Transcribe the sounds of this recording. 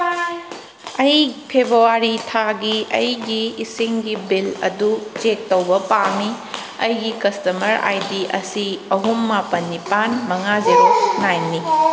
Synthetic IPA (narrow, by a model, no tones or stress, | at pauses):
ɐjpʰebɾuwaɾitʰaɡiɐjɡiːsiŋɡibilɐ̰dut͡ʃek̚tɐwbɐpami | ɐjɡikɐstɐmɐɾa̰jdiʔɐsiɐɦumːapɐnːipanmɐŋazeɾnajni